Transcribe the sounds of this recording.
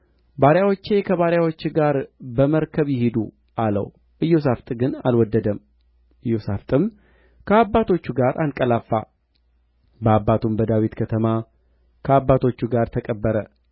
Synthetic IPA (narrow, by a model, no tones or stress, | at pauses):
baɾjawot͡ʃːe̞kʰəβaɾjawot͡ʃːɡaɾbəməɾkʰəβjɪhɪd̪u | ʔalə̰w | ʔɨjːo̞s̬aft̪ʼɡɨna̰lwɔd̪ːəd̪əm | ʔɨjːo̞saft̪ʼɨm | kʰəabːat̪ʰo̞t͡ʃːuɡaɾʔankʼəlafːa̰ | bəabːat̪ʰumbəd̪awit̪kʰət̪ʰəma | kʰəabːat̪ʰo̞t͡ʃːuɡaɾt̪ʰəkʼəbːəɾə